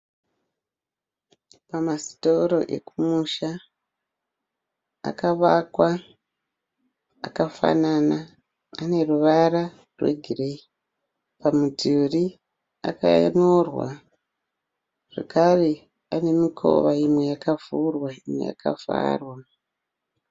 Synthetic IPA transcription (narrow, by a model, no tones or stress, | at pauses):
pamasi̥to̞ɾo̞̰ʔe̞̰kumuʃa | a̰kaʋakwa | kafa̰nanaː | ne̞ruʋaɾa | rwe̞̰ɡʱirei | pamuduri | a̰kanorwa̰ | ʐ̥ḛkare | ane̞mikʰo̞̰ʋaimwe̞jakav̥urwaimwḛja̰ka̰fa̰ːrwa